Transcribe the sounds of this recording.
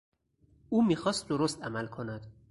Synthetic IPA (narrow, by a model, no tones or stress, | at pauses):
ʔuːmiːxɒːst̪̚d̪oɾost̪æmælkʰo̞næd̪̥